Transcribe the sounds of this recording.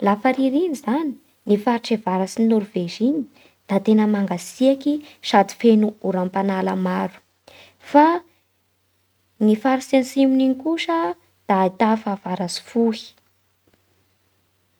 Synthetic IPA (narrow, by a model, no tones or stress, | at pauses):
lafaɾiɾinizani̥ | nifaɾiʈ͡ʂevaɾasinuɾuvezini | d̪̥at̪enəmaŋɡasiakiʃad̪i̥fenuuɾampanaləmaɾu̥ | fa | nifaɾisensimininikuʂə | d̪̥ait̪afav̥aɾazi̥fuhi̥